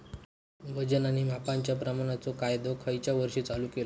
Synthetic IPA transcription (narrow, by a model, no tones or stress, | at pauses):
ʋəd͡ʑənaniːmapaɲt͡ɕjapɾəmaɽ̃at͡sokajd̪okʰəjt͡ɕjaʋəɾʂiːt͡saluːkel